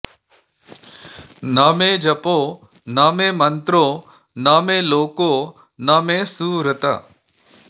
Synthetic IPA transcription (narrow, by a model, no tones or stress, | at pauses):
naːmẽːd͡ʒɐpoː | naːmẽːmɐnt̪ɾoː | naːmẽːloːkoː | naːmẽːsuːɾət̪a̰